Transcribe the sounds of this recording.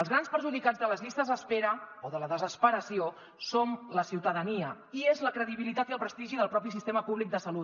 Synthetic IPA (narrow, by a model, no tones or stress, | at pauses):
əlˠzɣ̞ɾanspəɾʒuðikad͡zðələzʎist̪əzəspeɾəoðələðəzəspəɾəsio | somləsiwt̪əðəniə | iezləkɾəðiβilit̪at̪iəlˠpɾəst̪iʒiðəlˠpɾɔpis̬ist̪eməpuβlik̚d̪əsəlut̪